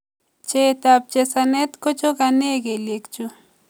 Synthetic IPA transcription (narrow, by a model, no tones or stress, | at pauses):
t͡ʃet̪ap̚t͡ʃesanet̪kot͡ʃoɡaneɡelekt͡ʃʊ